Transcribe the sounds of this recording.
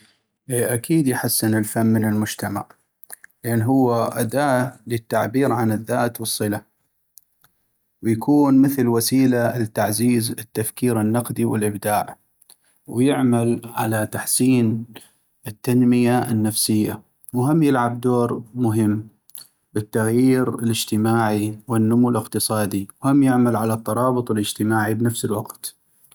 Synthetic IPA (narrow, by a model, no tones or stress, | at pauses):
ʔeːʔakiːd̪jħasːɪnɪlfamːɪnɪlmʊd͡ʒt̪ama̰ʕ | lɪʔanːɦʊwːaʔad̪aːʔlɪt̪ːaʕbiːɾʕanɪðːaːt̪wɨsˤːɨla | wjakʰuːnmɪθlwasiːlalɪt̪ːaʕziːzɪt̪ːafkiːɾɪnːɑqd̪iwɪlʔɪbd̪aːʕ | wjɪʕmalʕa̰lat̪aħsiːn | ɪt̪ːanmɪjaɪnːafsɪjːa | wɦamːjɪlʕab̚d̪oːɾmʊɦɪmː | bɪt̪ːaɣjiːɾɪlɪd͡ʒt̪ɪmaːʕiwɪnːʊmulɪqt̪ɨsˤɑːd̪iwhamːjɪʕmalʕalat̪ˤːɑɾˤɑːbɨt̪ˤɪlɪd͡ʒt̪ɪmaːʕibnafsɪlwɑqt̪